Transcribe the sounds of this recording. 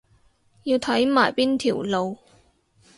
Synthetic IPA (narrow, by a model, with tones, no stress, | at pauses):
jiː˧wt̪ʰɐ˨˥jmaː˨˩jpiː˥nt̪ʰiː˨˩wlo˨˧w